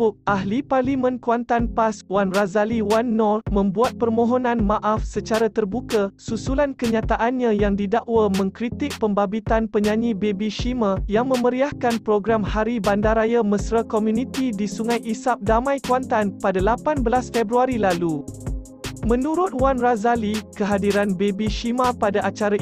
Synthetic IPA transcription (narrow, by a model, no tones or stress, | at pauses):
ʊk̚ʔaɦliparlimə̃nkuant̪anpaswanrazaliwanːɔrmə̃mbuat̪̚pərmõɦɔnãnmãʔafsət͡ʃaɾat̪ərbukasusulankəɲãt̪aʔanɲãjaŋdidaʔwamə̃ŋkɾit̪ɪk̚pəmbabit̪anpəɲãɲĩbebiʃimajaŋmə̃məɾiahkanpɾoɡɾamhaɾibandaɾajaməsɾakomjunit̪idisuŋãjʔisap̚damãjkwant̪anpadalapanbəlasfɛbɾuaɾilalu | mə̃nuɾʊt̪̚wanrazalikəɦadiɾanbebiʃimapadaʔat͡ʃaɾa